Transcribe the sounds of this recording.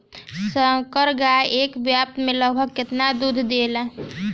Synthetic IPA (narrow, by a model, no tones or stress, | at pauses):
səkəɾɡaeːkbjap̚t̪mẽləɡbʱəɡ̚kɪt̪nad̪ud̪ʱd̪eːla